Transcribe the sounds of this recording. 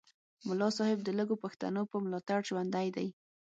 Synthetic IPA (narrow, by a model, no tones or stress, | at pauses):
mʊlɑsɑhɪb̚d̪ələɡopaxt̪a̰nopəmlɑt̪aɽʒwand̪ajd̪aj